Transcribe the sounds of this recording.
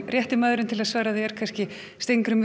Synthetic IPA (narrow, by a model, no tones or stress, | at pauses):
rjɛht̪ɪmaːðɾʏmt̪ʰɪlaðsvaːɾaðθɪɛɾ̥kʰanscɪ | st̪ejŋkɾʏm